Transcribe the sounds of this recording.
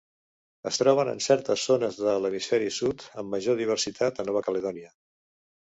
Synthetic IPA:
əst̪ɾɔβ̞ənə̰nsɛɾt̪əzːonəzðələmisfɛɾisut̪əmːəʒoð̞iβ̞ərsit̪ʰat̪ənɔβ̞əkələðɔniə

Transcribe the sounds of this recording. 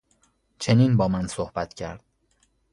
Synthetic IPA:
t͡ʃʰe̞niːnbɒːmænsohb̥æt̪ʰcʰæ̰ɾd̪̥̚

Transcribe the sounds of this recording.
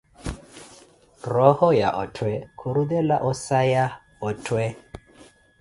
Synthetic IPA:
rɔhɔjaʔɔtʰwɛkʰuɾudɛlaʔɔsaja | ɔtʰwɛ

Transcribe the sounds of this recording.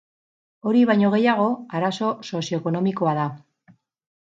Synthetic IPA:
o̞ɾiβ̞aɲo̞ɣ̞e̞jaɣ̞o̞aɾaso̞so̞sio̞eko̞no̞miko̞aða

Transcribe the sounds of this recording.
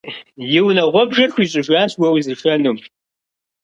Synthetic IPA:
jɪwnɐʁʷɔbʒɐrxʷiːɕʼɨʒʷaːɕwɐwizɨʈ͡ʂʰʼɐnum

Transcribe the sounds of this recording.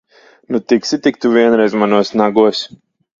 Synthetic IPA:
nut̪iksʲit̪ik̚t̪uvʲiɛnɾɛjzmanuɔsnaɡuɔs

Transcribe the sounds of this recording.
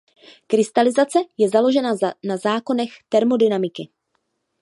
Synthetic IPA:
kɾɪst̪alɪzat͡sɛjɛzalo̞ʒɛnanazaːko̞nɛxt̪ɛɾmo̞dɪnamɪkɪ

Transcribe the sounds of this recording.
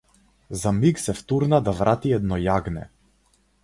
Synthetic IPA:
zamiksɛft̪uɾnad̪avɾat̪iɛd̪nɔjaɡnɛ̰

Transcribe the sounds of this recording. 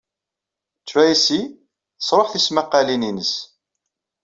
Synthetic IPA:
t͡sːwæisi | θəsˤɾˤoħθismaqːalininəs

